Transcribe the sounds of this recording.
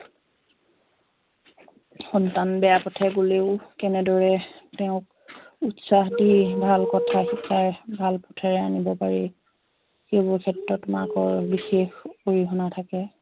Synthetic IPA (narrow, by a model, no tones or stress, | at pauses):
xɔntanbɛjapɔtʰɛɡoleʊkɛnɛdɔɹɛtɛʊ̃k̚ | utsaxdibʱalkɔtʰaxikʰajbʱalpɔ̥tʰaɹɛanibɔpaɹi | xejbʊɹkʰɛtɹɔtma̰kɔɹbixexoɹiɦɔnatʰakɛ